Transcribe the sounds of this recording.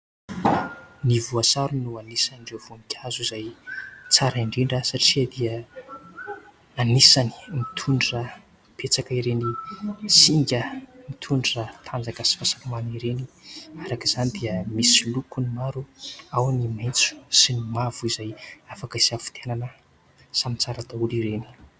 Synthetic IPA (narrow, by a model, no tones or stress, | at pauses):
nivuasaɾunuanisaniɳɖ͡ʐevuaŋikʲʰazuizajt͡saɾiɳɖ͡ʐiɳɖ͡ʐasaʈ͡ʂiəd̪iə | anisani̥mit̪ʰuɳɖ͡ʐra | pʰet͡sakaiɾenisiŋɡʲəmit̪ʰuɳɖ͡ʐirat̪ʰand͡zakəsi̥fasalumaniɾeniaɾakiz̥anid̪iəmisilukunimaɾuawanimajnt͡su̥sinimavuizajafakaisafu̥t̪ʰenanə | samit͡saɾad̪auliɾeni̥